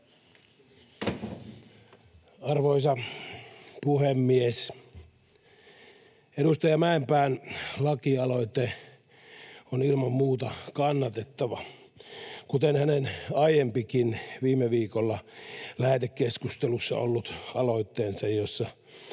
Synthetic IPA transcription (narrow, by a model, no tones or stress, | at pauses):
ɑrʋoisɑ | puhemːies | eɾust̪ɑjɑmæempæːnlɑkiɑloit̪e | onilmɑmmuːt̪ɑkɑnːɑt̪et̪ːɑʋɑ | kut̪enhænenɑijempikinʋiːmːeʋiːkolːɑlæhet̪ekkeskust̪elusːɑ̰o̰lːut̪ɑloit̪ːeːnsɑjjosːɑ